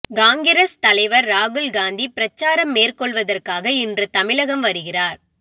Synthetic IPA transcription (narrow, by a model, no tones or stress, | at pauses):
ɡaːŋɡɪɾɐst̪ɐlɐɪʋɐɾːaːɣɯɭɡaːnd̪ipɪɾɐt͡ʃːaːɾɐmːeːrkɔɭʋɐðɐrkaːɣɐɪndrɯt̪ɐmɪɭɐɣɐmʋɐɾɯɣɪraːɾ